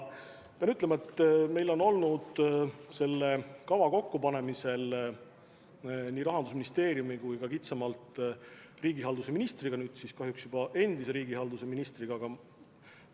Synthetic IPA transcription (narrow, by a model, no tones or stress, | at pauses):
peɑnyt̪lemɑet̪ːme̞jlo̞no̞lnud̪̥se̞lːe̞kɑvɑko̞kːupɑne̞mise̞l | niːɾɑɦɑnd̪us̬minist̪e̞ːɾjumikujkɑkit̪sɑmɑlt̪ˑ | riːɡiɦɑld̪use̞minist̪riɡ̥ɑnyːd̪̥siskɑɦjuksjub̥ɑʔe̞nd̪̥ise̞ɾiːɡ̥ihɑld̪use̞minist̪riɡ̥ɑɡ̥ɑ